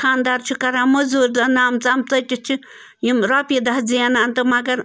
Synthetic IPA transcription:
xʰaːnd̪aːɾt͡ʃʰukɐɾãːmɐzuːɾdɐnaːmt͡samt͡sɐtʲit͡ʃʰi | jimɾɔːpid̪ɐɦd͡zijanaːnt̪ɨmɐɡɐɾ

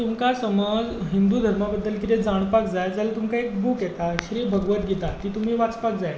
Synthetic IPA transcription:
t̪umkasəməd͡zɦind̪uːd̪ʱəɾmabəd̪ːəlkit̪ed͡zaɽ̃pakd͡zajad͡zalet̪umkaek̚bukjet̪aɕɾiːbʱəɡʋət̪ɡit̪at̪iːt̪um̤iːʋat͡spak̚d͡zaja

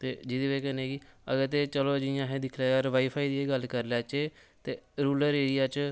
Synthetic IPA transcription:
t̪eːd͡ʒɪd̪iːʋeːkəneːɡiːə̰ɡəɾt̪̬eːt͡ʃəloːd͡ʒɪjãːɦɛːd̪ɪkʰlaːɔɾʋaːiːpʰaːiːd̪iːeːɡəlkəɾlɛːt͡ʃeːt̪eːɾuːləɾeːɽɪjaːt͡ʃ

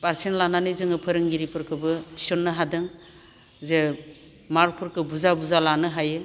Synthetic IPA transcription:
baɾsinlananɯzɯŋɯpʰɯɾɯŋɡiɾipʰɯɾkʰɯbɯti̥sɔnːɯɦadɯŋ | ze | maɾk̚pʰɯɾkʰɯbuzabuzalanɯɦajɯ

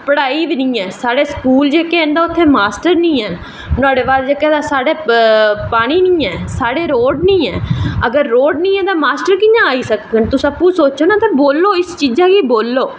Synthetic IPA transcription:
pəɽaːiːʋinĩːɛːsaːɽeːskuːld͡ʒeːkeːẽːnd̪aːʊt̪ʰːeːmaːsʈəɾnĩːɛː | nʊaːɽeːʋaːld͡ʒeːkɛːd̪aːsaːɽeːpaːɽ̃iːnĩːɛːsaːɽeːɾoːɖnĩːɛːəɡəɾːoːɖnĩːɛːt̪ãːmaːsʈəɾkɪɲãːaːiːsəkɡənt̪ʊsəpːũːsoːt͡ʃoːnaːt̪ãːboːlːoːɪst͡ʃiːd͡ʒaːɡiːboːlːoː

